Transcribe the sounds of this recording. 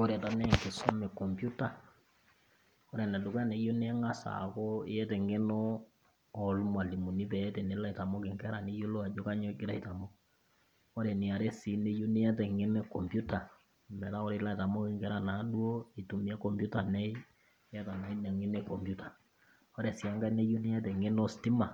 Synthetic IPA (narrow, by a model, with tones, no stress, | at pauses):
ɔ˦ɾɛ˨ta˨nɛ˦˨ke˨sɔ˦mɛ˨kɔ˨mpju˦ta˨ | ɔ˦ɾɛ˨nɛ˨du˨ka˦ne˨jo˦ni˦ɛ˦ŋa˦sa̰˨kɔ˦ɪ̰˦ɛ˦tɛ˨ŋɡe˦nɔː˦˨ | lm˨a˨li˨mu˨ni˦pɛ˨ɛ˦tɛ˨ne˨˦la˦i˨ta˨mɔ˦kɪ˨ŋkɛ˦ɾa˨ni˦jo˦lo˦a˨d͡ʒo˦ka˦ɲɔ˦ɡɪ˦ɾa˨i˨ta˨mɔ˦ | ɔ˦ɾɛ˨ni˨a˨ɾɛ˦si˨˦ne˦jo˦ni˦ɛ˦t̬ɛ˨ŋe˦nɛ˦kɔ˨mbju˦ta˨ | mɛ˨ta˦ɔ˦ɾɛ˨˦la˦˨ta˨mɔ˦kɪ˨ŋɡɛ˦ɾa˨na˨˦ɗwo˦i˨tu˨mi˦a˦kɔ˨mbu˦ta˨nɛ˦i˦ | ɛ˦ta˨na˨˦i˦nɛ˨ŋi˦nɛ˦kɔ˨mbju˦tḁ˨ | ɔ˦ɾɛ˨si˨ɛ˦ŋɡa˦ne˦jo˦ni˦ɛ˦tɛ˨ŋe˦nɔ˦sti˦ma˨